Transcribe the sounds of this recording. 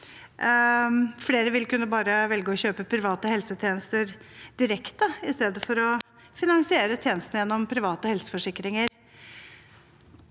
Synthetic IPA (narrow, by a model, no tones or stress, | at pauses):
fɽeːɾəʋɪlkʉnːəbɑːɾəʋɛlɡəɔɕøːpəpʰɾɪʋɑːt̪əhɛlsət̪ʰjeːnəst̪əɾd̪̥ɪɾɛkt̪əɪst̪eːd̪əfɔɾɔ | fɪnɑŋsɪeːɾət̪ʰjeːnəst̪nəjɛnːɔmpʰɾɪʋɑːt̪əhɛlsə̥fɔʂɪkːɾɪŋəɾ